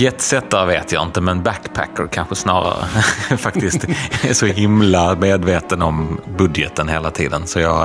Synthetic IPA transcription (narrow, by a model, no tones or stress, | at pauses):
jɛt̪sɛt̪ːaɾveːt̪ja̰ɪnt̪əmɛnbækːpʰæ̰kːəɾkʰanɧəsnɑːɾa̰ɾə̰fakt̪ɪst̪æʂɔɦɪmlameːd̪veːt̪ənɔmbɵd̪jɛt̪ənɦeːlat̪ʰḭːd̪ənsɔjɑ